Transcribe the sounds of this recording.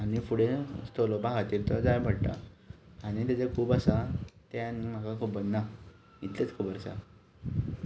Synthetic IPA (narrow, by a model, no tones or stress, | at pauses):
añifuɽest̪olobaɦat̪iɾt̪ɔd͡zajbʱəɽʈ̪a̰aɽ̃it̪at͡sakʰuːbasat̪anim̤akakʰubənnːa | it̪let͡skʰəbəɾsa̰